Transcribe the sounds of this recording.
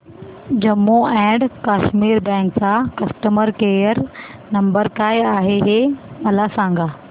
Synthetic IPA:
d͡ʑɐmːoɛ̃ːɖkaːʃmiːɾbɛ̃ːŋksãkɐsʈəməɾkeːjəɾ | nɐ̃mbəɾkaːjaːɦeɦemɐlasãːŋɡaː

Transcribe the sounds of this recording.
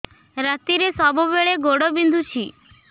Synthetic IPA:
ɾat̪iɾesɔbɔbeɭeɡoɽobind̪ʱut͡ʃʰi

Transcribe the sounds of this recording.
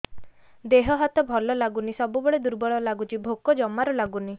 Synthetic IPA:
d̪eɦɔɦɔt̪ɔbʱɔlɔlaɡunisɔbubeɭed̪uɾbɔɭɔlaɡut͡ʃibʱokɔd͡ʒɔmaɾɔlaɡuni

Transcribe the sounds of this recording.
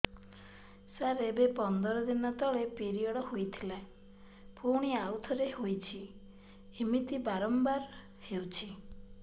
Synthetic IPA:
saɾebepɔnd̪ɔɾɔd̪inɔt̪ɔɭepiɾiɔɽɔhojt̪ʰilae | puɽ̃iawt̪ʰɔɾehojt͡ʃʰi | imit̪ibaɾɔmbaɾ | hewt͡ʃʰi

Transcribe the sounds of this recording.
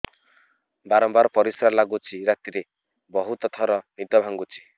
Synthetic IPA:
baɾɔmbaɾɔpɔɾisɾalaɡut͡ʃʰiɾat̪iɾe | bɔɦut̪ɔt̪ʰɔɾɔnid̪ɔbʱaŋɡut͡ʃʰi̥

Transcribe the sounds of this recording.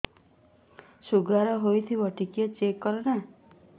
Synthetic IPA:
suɡaɾɔɦojt̪ʰibɔʈikjɔt͡ʃekːɔɾɔna

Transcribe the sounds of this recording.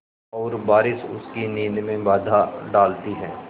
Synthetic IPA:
ɔːɾbaːɾɪsʊskinĩːnmẽbaːd̪ʱaɖaːlt̪iɦɛː

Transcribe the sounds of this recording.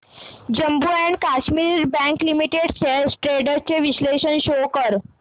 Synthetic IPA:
d͡ʑəmbuæɳɖkaɕmiɾɾbæ̃ŋklimiʈeɽsesʈɾeɽəɾt͡ɕeʋisleɕənɕokəɾ

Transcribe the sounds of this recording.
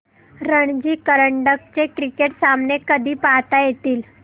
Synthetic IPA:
ɾəɳd͡ʑiːkəɾəɳɖək̚t͡ɕekɾikeʈsamnekəd̪ʱiːpaɦt̪ajet̪iːl

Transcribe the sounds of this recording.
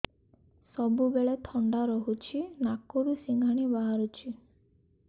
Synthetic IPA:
sɔbubeɭet̪ʰɔɳɖaɾɔɦut͡ʃʰinakoɾusiŋɡʱaɽ̃ibaɦaɾut͡ʃʰi

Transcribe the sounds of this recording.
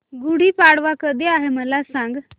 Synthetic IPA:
ɡuɽiːpaɽʋakəd̪eaɦeməlasãŋɡ

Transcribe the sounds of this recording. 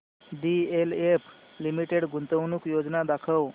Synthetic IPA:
ɖielep | limiʈeɽɡʱunt̪əwnuːkjod͡znad̪akʰəw

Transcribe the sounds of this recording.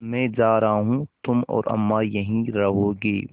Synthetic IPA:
mɛ̃ːd͡ʒaːɾɐɦaːɦũːt̪ʊmɔ̰ːɾʔɐ̰mːaːjɐɦĩɾɐɦoːɡeː

